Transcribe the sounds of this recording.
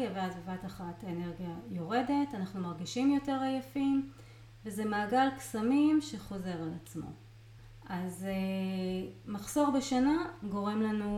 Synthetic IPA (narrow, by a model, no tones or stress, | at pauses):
aveazbevataχatʰene̞ʁɡjajo̞ʁe̞de̞tanaχnumaʁɡiʃimjo̞te̞ʁajafim | vezemaːɡalksamimʃe̞χo̞ze̞ʁalat͡smo̞̰ | ʔaz | maχso̞ʁbeʃanaɡo̞ʁe̞mlanu